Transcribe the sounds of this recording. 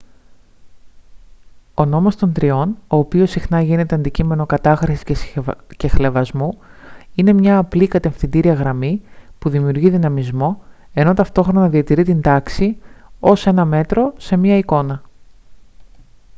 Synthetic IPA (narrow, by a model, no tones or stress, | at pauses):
o̞no̞most̪o̞nt̪ɾio̞no̞ːpio̞sixnɐʝine̞t̪e̞ɐnd̪icime̞no̞kɐt̪ɐxɾisi̥scce̞xle̞vɐzmuine̞mɲɐːplikɐt̪e̞fθind̪iɾiɐɣɾɐmipuðimiuɾʝiðinɐmizmo̞ | e̞no̞t̪ɐft̪o̞xɾo̞nɐðiɐt̪iɾit̪ind̪ɐksio̞se̞nɐme̞t̪ɾo̞se̞mɲɐiko̞nɐ